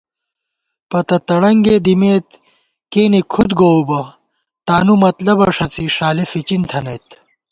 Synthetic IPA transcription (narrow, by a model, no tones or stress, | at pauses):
pɐt̪ɐt̪ɐɽɐŋɡed̪imeːt̪ | keːnekʰud̪ɡoubɐ | t̪aːnumɐt̪lɐbɐʂɐt͡siʂaːlefit͡ɕint̪ʰɐnɐjt̪